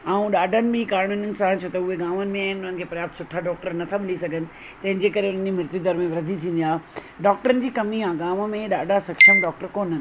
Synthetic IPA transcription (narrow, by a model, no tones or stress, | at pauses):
aːũɗaːɖʱənɪ̆bɪkaːɾɪɳ̃ənɪnɪ̆sãt͡ɕʰoːt̪ɐʊɦeɡaːmənɪ̆mẽaːɦɪnʊnɦə̃nɪkʰeːpɐɾjaːp̚t̪sʊʈʰːaɖɔːk̚ʈəɾnɐt̪ʰaɓɪlisɐɡʱənɪ̆ | t̪ɐɦɪ̃ɲd͡ʑeːkɐɾeʊn̤ənd͡ʑimɪɾt̪id̪ʱɐɾmẽʋɐɾɐd̪ʱit̪ʰĩːnd̪iaːɦ | ɖɔːk̚ʈəɾənɪ̆d͡ʑiːkɐmiãɡaːmmẽɗaːɖʱasɐkʃəmɖɔːk̚ʈəɾkoːnɦənɪ̆